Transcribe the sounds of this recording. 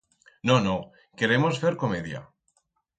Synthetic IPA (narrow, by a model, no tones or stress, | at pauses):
nono | ke̞ɾe̞mo̞sfe̞ɾko̞me̞ðja̰